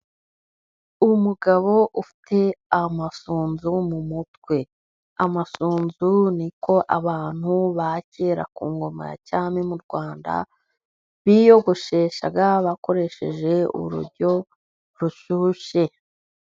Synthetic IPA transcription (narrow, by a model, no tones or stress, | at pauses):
umuɡaβo̞ʔufi̥tʰe̞amasuːnzumumutkwe̞ | amasuːnzuniko̞ʔaβaːn̥huβace̞ːɾa̰kuːŋɡo̞ma̰ja̰caːmemuɾɡwaːnda̰ | βijo̞ɡoʃeːʃa̰ɡaβako̞ɾe̞ʃe̞ʒe̞ṵɾṵɾɟo̞ | ɾuʃuːʃe̞